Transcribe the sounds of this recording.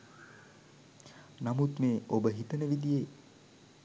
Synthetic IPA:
namut̪meːobəɦit̪ənəʋid̪ije

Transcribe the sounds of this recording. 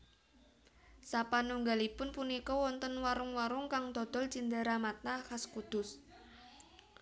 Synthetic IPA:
sapanuŋɡalipʊnpunikɔwɔnt̪ənwaɾʊŋwaɾʊŋkaŋd̪ɔd̪̥ɔlt͡ʃind̪əɾamat̪̚nakaskud̪̥ʊs

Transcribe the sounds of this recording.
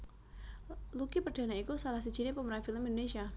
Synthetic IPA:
lukipərd̥a̤naikusalahsi̥ʒ̥i̤nepəməɾanfiləmind̪onesia

